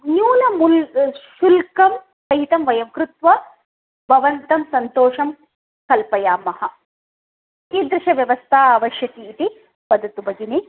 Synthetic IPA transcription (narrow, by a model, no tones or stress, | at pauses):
njuːlɐmulʃulkɐm | sɐɦit̪ɐmʋɐjɐmkɾut̪ʋɐ | bʱɐʋɐnt̪ɐmsɐnt̪oːʂɐm | kɐlpɐjaːmɐhɐ̆ | kid̪ɾɪʃɐʋjɐʋɐst̪ʰaːʋɐʃjɐt̪iːt̪i | pɐd̪ʱɐt̪ubɐɡine